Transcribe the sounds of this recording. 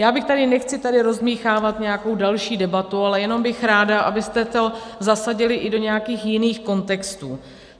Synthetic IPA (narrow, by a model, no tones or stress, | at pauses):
jaːbɪxt̪adɪnɛxt͡sɪt̪adɪɾo̞zmiːxaːvat̪ɲɛjako̞wdalʃiːdɛbat̪ualɛjɛno̞mbɪxɾaːdaʔa̰bɪst̪ɛt̪ozasaɟɪlɪʔɪdo̞ɲɛjakiːxjɪniːxko̞nt̪ɛkst̪uː